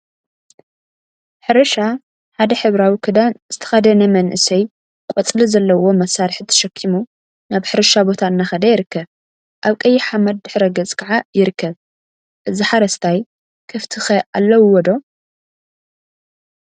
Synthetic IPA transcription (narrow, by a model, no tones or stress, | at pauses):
ħɨɾɐʃa | ħad̪ɐħɨβɾawikʰɨd̪anz̥ɨt̪ʰɐ̥xɐd̪ɐnɐmɐnʔɨsɐj | kʼɔt͡sʼlɨzɐlːɐwo̞mɐsaɾħɨt̪ʰɐ̥ʃɐkʰːimu | naβħɨɾɐʃabo̞t̪ʰaɨnːaxɐd̪ɐjɪɾɨkʰːɐβ | ʔaβkʼɐjːɪħamɐd̪̚ːɨħɾɐɡɐt͡sʼkʰaʕajɪɾɨkʰːɐβ | ʔɨziħaɾɐst̪ʰaj | kʰɨft̪ʰɨxɐʔalːɐwwɔd̪o̞